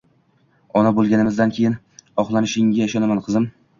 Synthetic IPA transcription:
ɒnabolˠɡʲanɪmɪzd̪ankʲʰejɪn | ɒχlˠanɪʃɪŋɡʲaɪʃɒnamanqʰɨzɪm

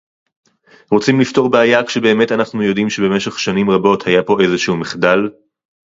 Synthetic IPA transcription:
ʁot͡simlifto̞ʁbeajakʃebe̞ːme̞tanaχnujo̞dimʃe̞be̞me̞ʃeχʃanimʁabo̞thajapo̞e̞zeʃuumiχdal

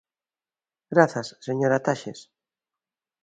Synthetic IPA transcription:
ɡɾaθasːeɲoɾat̪aʃes

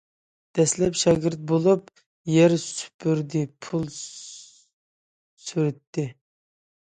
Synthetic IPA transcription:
d̪̥ɛslɛpʃɑɡʲɪɾt̪̚bolˠup | jɛɾsy̥pʰyɾd̪ɪpʰulˠ | syɾɪt̪ːɪ

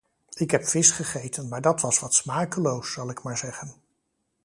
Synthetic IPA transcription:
ɪkɦɛpfɪsχəχejtʰənmaːɹdɑtʋɑsʋɑtsmaːkəlowsːɑlˠɪkmaːɹzɛχən

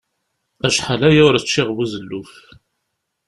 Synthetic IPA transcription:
æʃħalæjæʊɾæt͡ʃːɪʁvuzəlːuf

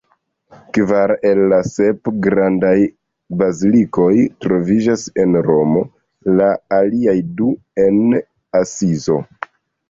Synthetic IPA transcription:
kvaɾe̞lːase̞pɡɾandaj | baziliko̞jtɾo̞vid͡ʒase̞nɾo̞mo̞ | laːliajdu | e̞n | asizo̞̰

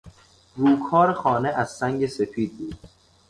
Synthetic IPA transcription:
ruːkʰɒːɾexɒːneʔæz̥sæŋɟese̞fiːd̪̚buːd̪̥

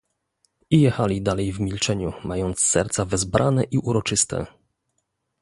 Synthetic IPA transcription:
ijɛxalʲid̪alɛjvmʲilt͡ʂɛɲumajɔnt̪sːɛ̰ɾt̪savɘzbɾʔanɛʔiʔuɾɔt͡ʂɘst̪ɛ̰

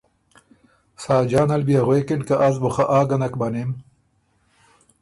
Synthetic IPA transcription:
saːd͡ʒaːnɐlbijaʁweːkiɳkaʔɐzboχɐʔaːɡɐnɐkbɐnem

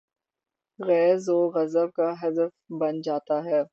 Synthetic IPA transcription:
ɣɛːzoːɣɐzəb̚kaɦɐd̪əfbɐnd͡ʒaːt̪aɦɛː

